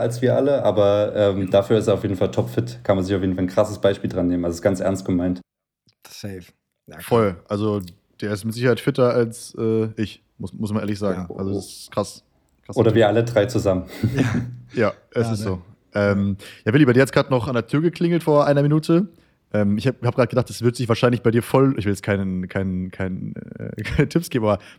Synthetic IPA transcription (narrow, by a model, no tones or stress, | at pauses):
alsv̥iːɐʔaləʔaːbɐʔɛːmd̥afyːɐɪsteːaʊfjeːdn̩faltʰɔpfɪtkʰanmanzɪçaʊfjeːdn̩falnŋkʁ̥asəsb̥aɪʃpiːldʁanːeːmən̩alzoɪsɡ̥ant͡sʔɛ̰ɐnst̚ɡ̥əmaɪnt | sɛf | fɔlʔalzo | d̥eːɐɪstmɪtz̥ɪçɐhaɪtfɪtɐalsʔɛːʔɪç | mʊsmʊsmaneːɐlɪçz̥aːɡŋ̩ʔa̰lzosɪskʁ̥as | ʁ̥aoːɾɐviːɐʔalədʁaɪt͡suzamən | jaː | ʔɛsɪstz̥oː | ʔɛːmjaːvɪlibaɪdiːɐɛtsɡ̥aːtnɔχandeːɐtʰyːɐɡəkʰl̥ɪŋl̩tfoːɐʔaɪnɐminuːtʰə | ʔɛːmɪçhahaːbɡʁaːtəɡədaχtɛsv̥ɪɐtz̥ɪçvaːɐʃaɪnlɪçb̥aɪdiːɐfɔlɪçvɪljɛt͡stkʰaɪnəkʰaɪnəkʰaɪnə̰ɛ̰ːkʰaɪnətʰɪpsɡ̥eːbm̩abɐ